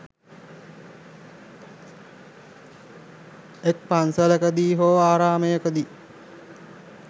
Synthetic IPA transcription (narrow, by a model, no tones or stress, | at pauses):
ek̚pansələkəd̪iːɦoːaːɾaːməjəkəd̪iː